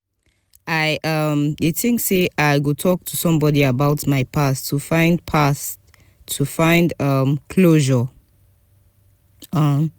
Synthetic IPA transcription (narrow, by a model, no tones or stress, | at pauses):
aɪʔʌmitʰɪ̃ŋkseʔaɪɡotʰɔk̚tʰusʌ̃mbɔdiəbaʊtmaɪpʰastʰːufãɪ̃ndpʰas | tʰːufãɪ̃ndʌmkʰloʒə | ʌm